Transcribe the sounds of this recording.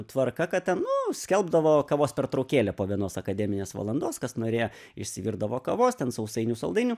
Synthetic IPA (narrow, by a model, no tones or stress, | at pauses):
t̪ʋɐrkɐkɐt̪̚tʲɛnnʊsʲkʲɛlˠbd̪ɐʋoːkɐʋoːspʲɛrt̪ɾɐʊkʲeːlʲɛːpoːʋʲiɛnoːsɐkɐd̪ʲɛːmʲɪnʲeːsʋɐ̰lˠɐnd̪oːskɐsnoːɾʲeːjo | ɪʃʲsʲɪʋʲiːɾd̪ɐʋoːkɐʋoːst̪ʲɛnsɐʊsɐɪnʲuːsɐlˠd̪ɐɪnʲuː